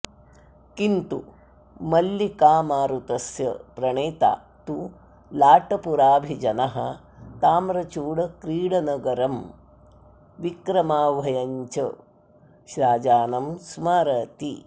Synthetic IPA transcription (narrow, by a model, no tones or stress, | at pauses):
kint̪u | mɐlːikaːmaːɾut̪ɐsjɐpɾɐɳeːt̪a̰ː | t̪u | laːʈɐpuɾaːbʱid͡ʒɐnɐɦɐ̰ | t̪aːmɾɐt͡ʃuːɽɐkɾiːɽɐnɐɡɐɾɐm | ʋikɾɐmaːʋɐjɐɲt͡ʃɐ | ʃɾaːd͡ʒaːnɐmsmaːɾɐt̪ḭ